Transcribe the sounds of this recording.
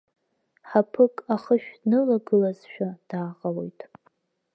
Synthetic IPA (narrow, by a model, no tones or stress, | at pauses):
ħapʰɨkʼaχəʃᶣdnɨlaɡɨlazʃᶣad̥aːqʼalo̞jtʼ